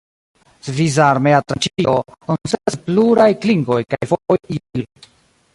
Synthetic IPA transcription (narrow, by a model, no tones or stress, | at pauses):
svizaɾmeat̪ɾat͡ʃiokonseaspluɾajkliŋɡo̞jkajfoojil